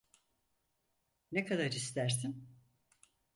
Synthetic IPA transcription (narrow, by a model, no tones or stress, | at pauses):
nekʰad̪aɾist̪æɾsim